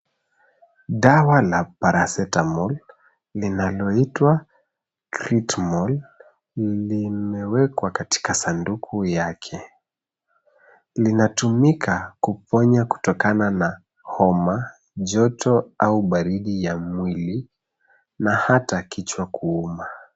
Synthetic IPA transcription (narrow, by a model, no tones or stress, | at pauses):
ɗawalapaɾasɛtamɔl | linalɔitwa | kɾitmɔl | limɛwɛkwakati̥kasandukʰujakʰɛ | linatumikʰakupɔɲaku̥tɔkanana | hɔma | ʄɔtɔauɓaɾiɗijamwili | nahatakit͡ʃwakʰuuma